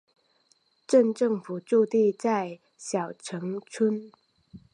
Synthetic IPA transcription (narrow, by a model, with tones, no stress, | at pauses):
ʈ͡ʂə˥˧nʈ͡ʂɤ˥˩ŋfu˨˩ʈ͡ʂu˥˧t̪i˥˧t͡sa˥˩ɪ | ɕjɑ˨˩ʊʈ͡ʂʰɤ˧˥ŋt͡sʰə˥n